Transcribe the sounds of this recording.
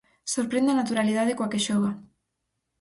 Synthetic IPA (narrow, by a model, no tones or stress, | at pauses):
soɾpɾend̪anat̪uɾalið̞að̞ekwakeʃɔɣ̞a